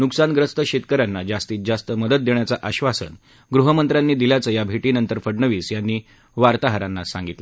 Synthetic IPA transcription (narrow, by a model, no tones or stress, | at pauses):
nuksanɡɾəst̪əɕet̪kəɾanːad͡zast̪iːt̪̚d͡zast̪əməd̪ət̪̚d̪eɳ̃jat͡saʔaɕʋasə̰n | ɡɾuɦəmənt̪ɾjanːiːd̪iljat͡səːjabʱeʈiːnənt̪əɾfəɽɳəʋiːsjanːiː | ʋaɾt̪aɦəɾanːasã̰ŋɡit̪l